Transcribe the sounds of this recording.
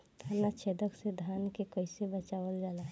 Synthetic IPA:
t̪ʰanat͡ʃʰeːd̪əksed̪ʱaːnkekəɪsebət͡ʃaːʋəld͡ʒaːlaɦ

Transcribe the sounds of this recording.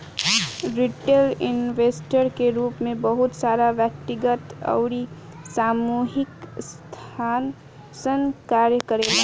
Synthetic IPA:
ɾiʈelinʋesʈəɾkeɾuːpmẽbəɦut̪saɾaʋjək̚t̪iɡət̪ə̰ʊɾi | samuɦɪkst̪ʰaːn | sənkaɾjəkəɾela

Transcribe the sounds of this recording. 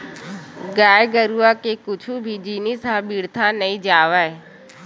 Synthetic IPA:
ɡaːjɡəɾuakekʊt͡ʃʰubʱid͡ʒiːnisãɓiːɽt̪ʰanɐĩd͡ʒaːʋaːe

